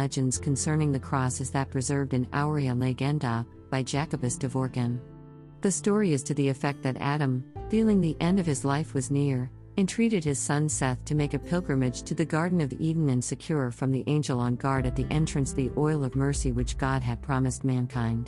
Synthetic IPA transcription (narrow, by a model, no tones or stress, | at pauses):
ɛd͡ʒɨ̃ndz̥kʰn̩sɜ̃˞nɪ̃ŋðɨkʰɹ̥ɔsɨzðɨt̚pʰɹ̥ɨzɜ˞vdɨ̃na̰ʊɹiɨ̃leɪɡɛ̃ndə | b̥aɪd͡ʒækɨbɨsd̥ɨvɔɹɡɨ̃n | ðɨstɔɹiɨz̥tʰɨðiɨfɛk̚t̪̚ðɨɾæ̰ɾɨ̃mfilˠɪ̃ŋðiʔɛ̃ndʌv̥ɨzlaɪfwʌznɪɹ | ɨ̃ntʰɹ̥iɾɨd̚ɨz̥sʌ̃nsɛθtʰɨmeɪkɨpʰɪlˠɡɹɨ̃mɨd̥ʒ̥tʰɨðɨɡɑɹdⁿn̩ʌviʔⁿn̩ɨ̃nsɨkʰj̥ʊɹəfɹʌ̃mðiʔẽɪ̃nd͡ʒl̩ˠə̃nɡɑɹɾɨt̪̚ðiʔɛ̃nt͡ʃɹ̥ɨ̃nsðiʔɔɪlˠʌvmɜ˞siwɨt͡ʃɡ̥ɑd̚ɨd̚pʰɹ̥ɑmɨst̚mæ̃nkʰãɪ̃nd̥